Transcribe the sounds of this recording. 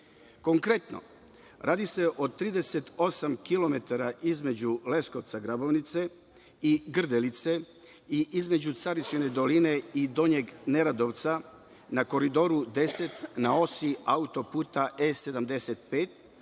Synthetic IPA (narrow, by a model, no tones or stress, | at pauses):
ko̞ŋkɾe̞t̪no̰ | ɾʔaːd̪ise̞ʔo̞t̪ːɾiːd̪e̞set̪o̞samkilo̞me̞t̪aɾaʔizme̞d͡ʑule̞sko̞ʋt̪saɡɾabo̞ʋnit̪se̞ | iɡr̩d̪elit̪se̞ | iʔizme̞d͡ʑut̪saɾiʃine̞d̪o̞line̞id̪o̞ɲeɡne̞ɾad̪o̞ʋt̪sa | nako̞ɾid̪o̞ɾud̪e̞se̞t̪nao̞siaut̪o̞puːt̪aese̞d̪amd̪e̞set̪peːt̪